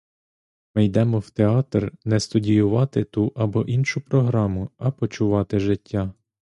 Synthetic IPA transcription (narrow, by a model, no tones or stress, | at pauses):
mɪjd̪ɛmɔwt̪eɑt̪rnɛst̪ʊdʲijʊʋɑt̪ɪt̪uʔɐbɔʔinʃʊpɾɔɦɾɑmʊɐpɔt͡ʃʊʋɑt̪ɪʒɪtʲːa